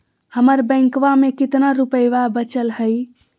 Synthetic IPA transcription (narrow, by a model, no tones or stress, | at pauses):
həməɾbə̃ɪ̃ŋkʋamekit̪naɾupəjʋabət͡ʃəlɦəj